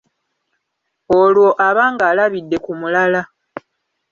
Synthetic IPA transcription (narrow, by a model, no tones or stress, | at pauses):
olwo̞ʔaβaːŋɡaːlaβidːe̞kumulala